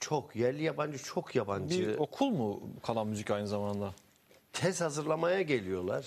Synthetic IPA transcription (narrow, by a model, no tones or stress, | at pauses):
t͡ʃʰo̞kʰjæɾlʲijaband͡ʒɯt͡ʃʰo̞kʰjabanbd͡ʒiɯo̞kʰulˠmukʰalˠanmyzicajnɯzamand̪a | t̪ʰɛzhazɯɾlˠamajaɟe̞lʲijo̞lˠa̰ɾ̥